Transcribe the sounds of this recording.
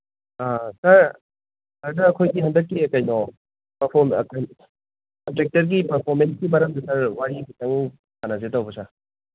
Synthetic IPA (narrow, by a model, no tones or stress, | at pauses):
asaɾ | aɾdɐːkʰojɡiɦɐndɐkːiɐkajnɔ | pɐɾpʰɔɾmɐkaj | kɐntɾek̚tɐɾɡipɐɾpʰɔɾmensɡimɐɾɐmdɐsaɾwaɾibitaŋ | kanazetawbɐsa